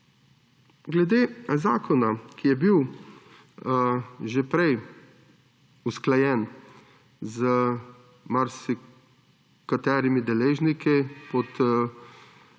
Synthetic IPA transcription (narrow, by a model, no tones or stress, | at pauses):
ɡlɛd̪eːzaːkʰɔnakʰijɛbiw | ʒepɾɛj | usklajɛn | zə | maɾsi | kat̪ɛːɾimid̪ɛleːʒnikipɔt̪